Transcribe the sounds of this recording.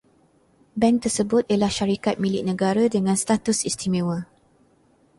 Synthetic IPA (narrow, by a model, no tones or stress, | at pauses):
bɛ̃ŋt̪əsəbʊt̪̚iəlahʃaɾikat̪̚milɪʔ̚nə̃ɡaɾədəŋãnst̪at̪usist̪ʰimẽwə